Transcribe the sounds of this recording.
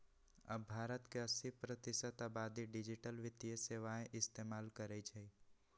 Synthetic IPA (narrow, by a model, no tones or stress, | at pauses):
ɐ̰bːʱaːɾət̪keɐsipɾət̪ɪsət̪aːbaːd̪iɖɪd͡ʒɪʈəlʋɪt̪ijəseːʋaːẽʔɪst̪eːmaːlkəɾed͡ʒɐi